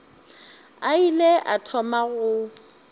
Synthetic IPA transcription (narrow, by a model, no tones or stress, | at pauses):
aileʔatʰɔmaɣʊ